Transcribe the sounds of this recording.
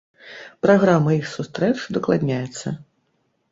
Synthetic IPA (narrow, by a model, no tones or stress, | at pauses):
pɾaɣɾamːɐixsust̪ɾɛt͡ʂd̪ɐklˠad̪ʲnʲajɛt̪sːɐ̰